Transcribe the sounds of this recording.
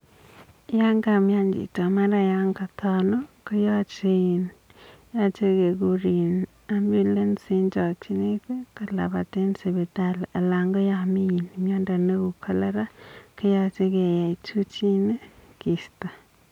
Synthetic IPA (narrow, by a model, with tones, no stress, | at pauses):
ja˦ŋɡa˨mja˦nd͡ʒḭ˨ta˨ma˦ɾa˦ja˦ŋka˨t̪ɔ˨no˦kə˦jɔ˦˨t͡ʃe˦i˨nja˦t͡ʃe˦ɡe˨ɡu˦ɾi˨n | a˦mbju˦le˦nsi˦nt͡ʃɔ˨t͡ʃi˦ne˦ke˦kə˨la̰˨ba˨te˦nsi˨be˨ta˦la˨la˨ŋɡɔ˦ja˨mi˦ji˨n˨mja˦nda˨nə˦ɡu˨kʰa˨la˦ɾa˦kə˦ja˦˨t͡ʃe˦ɡe˨ja˨t͡ʃu˦t͡ʃi˦ne˦ki˨sta˨